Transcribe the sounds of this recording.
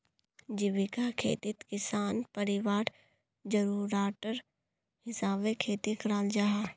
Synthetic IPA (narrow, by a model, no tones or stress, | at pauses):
d͡ʒɪʋɪkakʰḛːt̪ɪt̪kɪsaːnpəɾɪʋaːɾ | d͡ʒəɾuːɾaːʈəɾ | hɪsaːbekʰeːt̪ikɾaːld͡ʒaɦaː